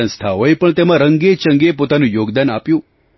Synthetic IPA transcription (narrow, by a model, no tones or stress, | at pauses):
ə̃nst̪ʰaɦoepəɳt̪emãɾəŋɡet͡ʃəŋɡepot̪anũjoɡd̪anapjũ